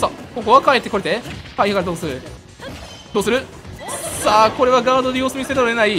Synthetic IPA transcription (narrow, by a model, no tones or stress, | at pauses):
sakoko̞βakaet̪ːeko̞ɾet̪ekaiakaɾed̪oːsɨɾɯ̟ | d̪̥oːsɨɾɯ̟ | saːko̞ɾe̞βaɡaːd̪o̞d̪e̞jo̞ːsɨmʲiseɾaenai